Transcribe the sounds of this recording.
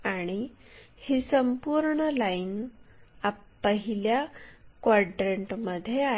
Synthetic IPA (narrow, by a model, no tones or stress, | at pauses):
aɽ̃i | hisəmpuɾɳəlain | a | pəɦiljakʋaɖɾeɳʈməd̪ʱːjea